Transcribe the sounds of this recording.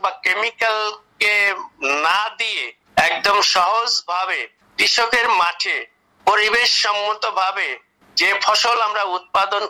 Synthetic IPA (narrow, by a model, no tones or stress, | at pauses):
bakemikalkenad̪ie | ɛk̚d̪omʃɔɦod͡ʑbʱabe | t̪ɾiʃokeɾmaʈʰe | poɾibeʃːɔmːot̪obʱabe | d͡ʑefʰɔʃolamɾaut̪̚pad̪on